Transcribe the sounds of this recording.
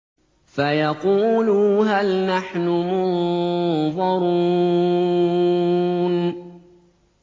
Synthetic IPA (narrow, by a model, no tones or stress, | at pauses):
fajɑquːluːɦalnaħnʊmʊn | ðˤɑɾuː | n